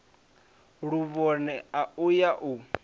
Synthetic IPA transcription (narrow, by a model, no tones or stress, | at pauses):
ɺuβɔnɛaujaʔu